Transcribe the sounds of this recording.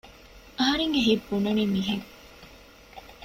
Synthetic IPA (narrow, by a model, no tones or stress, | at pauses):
ɐɦɐɾeŋɡeɦibːununimiɦeŋ